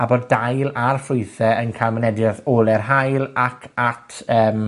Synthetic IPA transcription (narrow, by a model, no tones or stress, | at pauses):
aboddajlˠarfʊɨθɛənkʰamənɛdjaðolˠɛrɦajlˠakʰatʰəːm